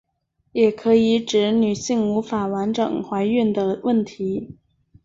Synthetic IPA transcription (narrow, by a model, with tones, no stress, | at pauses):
jɛ˨˩kʰɤ˧˥i˧˥˦ʈ͡ʂɻ̩˧˥ny˨˩ɕi˥˩ŋu˧˥fa˨˩wa˧˥nʈ͡ʂɤ̰˨˩ŋxwa˧˥ɪy˥˩nd̪ə˩wə˥˩nt̪ʰi˧˥